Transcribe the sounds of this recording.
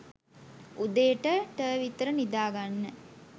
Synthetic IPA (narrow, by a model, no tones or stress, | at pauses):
ud̪əjəʈəʈəːʋit̪əɾənid̪aːɡanːə